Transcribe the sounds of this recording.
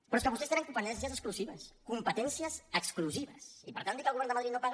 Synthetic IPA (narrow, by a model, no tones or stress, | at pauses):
pɾɔeskəβust̪est̪enəŋkumpət̪ɛnsijəzəskluziβəskumpət̪ɛnsiəzəkskluziβəsipəɾt̪and̪ikəlɣuβɛɾnd̪əməðɾit̪nopaɣ